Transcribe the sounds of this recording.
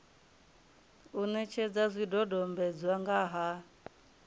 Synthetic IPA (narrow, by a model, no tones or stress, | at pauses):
unɛt͡ʃʰɛd͡zazʷidɔdɔmbɛd͡zwaŋɡaɦa